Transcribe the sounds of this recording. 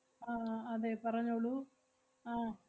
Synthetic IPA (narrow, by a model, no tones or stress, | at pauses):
aːɐðepɐrɐɲːoːɭːu | aː